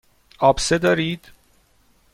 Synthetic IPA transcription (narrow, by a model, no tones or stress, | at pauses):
ɒːbsed̪ɒːɾiːd̪̥